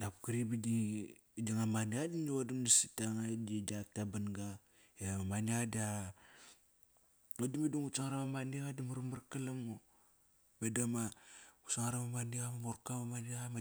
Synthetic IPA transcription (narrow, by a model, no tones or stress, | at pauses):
napkiɾibididaŋamaniadinuadumnasitaŋadid͡ʒak̚tabanɡa | amamaniadia | odimiduŋut͡ʃaŋaɾamamaniɣadamaɾumaɾkalamo | bedamausaŋaɾamamaniɣamamoɾkamamaniama